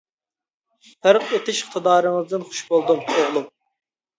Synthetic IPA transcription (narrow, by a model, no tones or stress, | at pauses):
fʰæɾqet̪ʰɪʃɪχt̪ʰɨd̪ɑːɾɨŋɨzd̪ɨnχʊ̥ʃbolˠd̪umoʁlˠum